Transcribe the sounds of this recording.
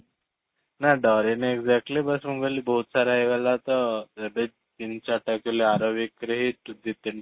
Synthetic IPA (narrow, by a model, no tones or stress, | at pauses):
naɖɔɾineɡd͡zɛk̚ʈlibəsməɡəlibəɦut̪saɾaeʋalat̪əəbe | t̪int͡ɕaʈakileaɾoʋikːɾəɦiʈ̪ud̪it̪ːin